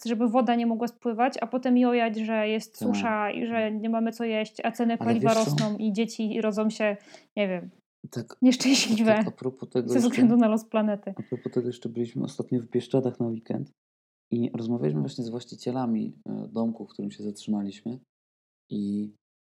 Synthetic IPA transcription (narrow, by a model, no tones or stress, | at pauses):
ʐɛbɘvɔd̪aɲɛmɔɡwaspwɘvat͡ɕapɔt̪ɛmijɔjad͡ʑʐɛjɛst̪suʂaḭʐɛɲɛmamɘsɔjɛɕt͡ɕat̪sɛnɛpalʲivaɾɔsnɔ̃w̃ʔid͡ʑet͡ɕiɾɔd̪zɔ̃wɕɛɲɛvʲjɛm | t̪akɲɛʂt͡ʂɛ̃w̃ɕlʲivʲɛapɾɔpɔt̪ɛɡzɔɛvzɡlɛnd̪unalɔsplanɛt̪ɘapɾɔpɔt̪ɛɡɔjɛʂt͡ʂɛbɘlʲiɕmɘ̰ɔ̰st̪at̪ɲɔvbʲjɛʂt͡ʂad̪axnawikɛ̰nt̪ | iɾɔzmavʲjalʲiɕmɘvwaɕɲɛzvwaɕt͡ɕit͡ɕɛlamʲḭd̪ɔmkuk̚t̪uɾɘmɕɛzatʂɨnalʲiɕmɘ | i